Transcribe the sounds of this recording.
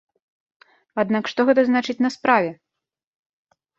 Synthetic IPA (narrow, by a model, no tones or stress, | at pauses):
ad̪nakʂt̪ɔɣɛt̪ɐznat͡ʂɨt͡sʲnɐspɾavʲɛ